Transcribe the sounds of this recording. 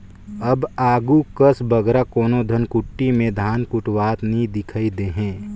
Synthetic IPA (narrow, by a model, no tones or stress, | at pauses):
ɐbaːɡukəsbɐɡɾakoːnod̪ʱɐnkʊʈːimẽd̪ʱaːnkʊʈwaːt̪nid̪ɪkʰaid̪eːɦɛ̃ː